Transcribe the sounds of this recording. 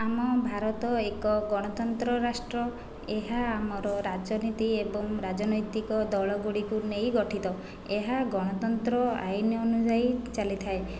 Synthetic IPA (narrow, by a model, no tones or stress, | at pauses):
amɔbʱaɾɔt̪ɔekɔɡɔɽ̃ɔt̪ɔnt̪ɾɔɾasʈɾɔ | eɦaːmɔɾɔɾad͡ʒɔnit̪iebɔŋɾad͡ʒɔnɔjt̪ikɔd̪ɔɭɔɡuɽikunejɡɔʈʰit̪ɔ | eɦaɡɔɽ̃ɔt̪ɔnt̪ɾɔa̰jnɔɔnud͡ʒajt͡ʃalit̪ʰae